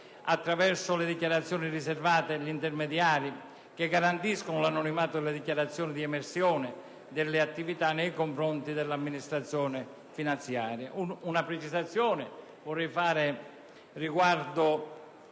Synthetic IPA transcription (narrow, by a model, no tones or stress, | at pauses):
at̪ːɾavɛrsʊled̪ikjaɾat̪sːjɔːnirisɛrvaːt̪eʎint̪ɛɾmɛd̪jaːɾi | keɡːaɾant̪iskonʊlanɔnimaːt̪ʊd̪elːed̪ikjaɾat̪sːjɔːnid̪iɛmɛɾsjɔːnɪ | d̪ɪlːɪat̪ːivit̪anːejkoɱfɾɔnt̪id̪elːamːinist̪ɾat̪sːjɔːnɪ | finant̪sjaːɾja̰uunapɾet͡ʃizat̪sːjɔːnɪ | vʊrːɛjfaːɾɪ | riɡward̪ʊ